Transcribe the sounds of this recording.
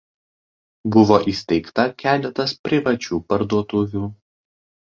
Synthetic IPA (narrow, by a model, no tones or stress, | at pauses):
bʊʋoːʔiːsʲt̪ʲɛɪkt̪ɐkʲæːlʲɛt̪ɐspʲɾʲɪʋɐt͡ʃʲuːpɐɾd̪uɔt̪ʊʋʲuː